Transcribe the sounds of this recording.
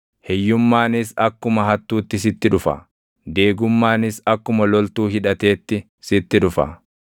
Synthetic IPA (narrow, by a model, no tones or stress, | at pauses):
hɛjːʊmːaːnɪsɐkːʊmɐɦɐt̪ːuːt̪ːɪs̬ɪt̪ːɪᶑʊfɐ̰ | d̪e̞ːɡʊmːaːnɪsɐkːʊmɐlɔlt̪uːhɪᶑɐt̪e̞ːt̪ːɪ | sɪt̪ːɪᶑʊfɐ̰